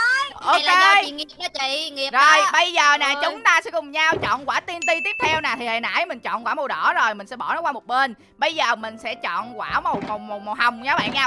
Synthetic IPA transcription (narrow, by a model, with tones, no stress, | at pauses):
ʔʔo˧ke˧˨ŋi˨˩˨t͡ɕi˧˨ŋi˨˩əzo˨˩jɓə˧jzəː˨˩naː˨˩t͡ɕʊ˨˦ŋ͡mt̪aː˧sɛ̰˧˥kʊ˨˩ŋ͡mɲaː˧wt͡ɕɔ̰˧˨nkwaː˧˩˦t̪i˧ənt̪i˧t̪i˦˥əp̚t̪ʰɛ˧wnaː˨˩t̪ʰi˨˩haː˨˩jna̰ː˧˥jmï˨˩ŋ̟t͡ɕɔ̰˧˨nkwaː˧˩mo˨˩ɗɔ˧˩zo˨˩jmï̟˨˩sɛ̰˧˥ɓɔ˧˩nɔ˨˦kwaː˧mo˨˩t̚ɓe˧n | ɓə˧jzəː˨˩mï˨˩ŋ̟sɛ̰˧˥t͡ɕɔ̰˧˨nkwaː˧˩mo˨˩wmo˨˩mo˨˩t̚m̚˨˩ha˨˩wŋ͡mɲaː˨˦ɓa̰ː˧˨nɲa˧˦